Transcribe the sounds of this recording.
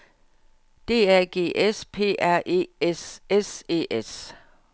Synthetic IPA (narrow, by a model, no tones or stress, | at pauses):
d̥e̝̰ːæɐ̰ɡ̥e̝̰ːʔespʰe̝̰ːʔæɐ̰ʔe̝̰ːesese̝̰ːʔes